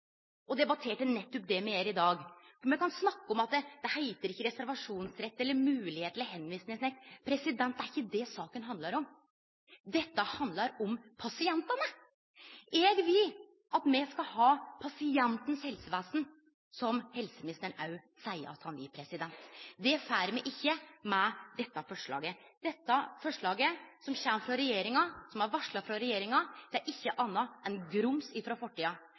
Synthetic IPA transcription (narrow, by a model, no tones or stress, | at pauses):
ʔɔd̪ɛbɑt̪ʰeːʈənɛt̪ːʊp̚d̪ɛmɛeːɾɪd̪ɑːɡmɛkɑnsnɑkːəɔmɑt̪̚d̪ɛd̪̥ɛhæɪt̪əɾɪçːəɾɛsæɾʋɑʂuːnsɾɛt̪ːɛlːəɾmʉːlɪheːt̪ləɦɛnːʋiːsnɪsnɪŋpʰɾɛsɪd̪ɛnt̪d̪æɾɪçːəd̪ɛsɑːkənɦɑnd̪lɑɾɔm | d̪ɛt̪ːəhɑnd̪ləɾɔmpʰɑsɪɛnt̪ɑnə | ɛɡʋɪl | ɑt̪mɛskɑhɑːpʰɑsɪɛnt̪nshɛlsəʋeːsn̩ | sɔmhɛlsəmɪnɪst̪əɳɑʉ | sæɪə̰ɾɑ̰t̪hɑnʋɪpʰɾɛsɪd̪ɛnt̪d̪ɛfæːɾmɛʔɪçːəmɛd̪ɛt̪ːɑfɔʂɭɑ̰ːɡə | d̪̥ɛt̪ːɑfɔʂɭɑːɡəsɔmçɛmfɾɑɾɛjeːɾɪŋɑsɔmæɾʋɑʂɭɑfɾɑɾɛjeːɾɪŋɑd̪̥ɛæɾʔɪçːəʔɑnːɑɛnɡɾʊmsɪfɾɑfɔʈːiːɑ